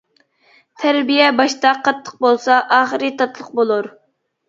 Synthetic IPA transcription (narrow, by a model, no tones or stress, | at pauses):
t̪ʰæɾbijɛbɑʃt̪ɑqʰɑt̪ʰːə̥q̚bolˠsɑʔɑːχəɾɨt̪ʰɑt̪ʰlˠəq̚bolˠuɾ